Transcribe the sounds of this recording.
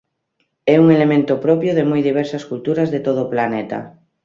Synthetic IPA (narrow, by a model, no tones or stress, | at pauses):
euŋelemẽnt̪opɾopjoð̞emujðiβ̞eɾsaskult̪uɾazðet̪oð̞oːplanet̪a̰